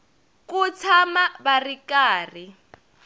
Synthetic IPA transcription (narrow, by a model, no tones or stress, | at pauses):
kut͡sʰamabarikaːri